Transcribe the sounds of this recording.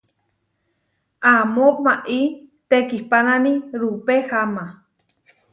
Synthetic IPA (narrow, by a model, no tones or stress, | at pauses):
ʔamopmaʔit̪ekihpananiɾupehama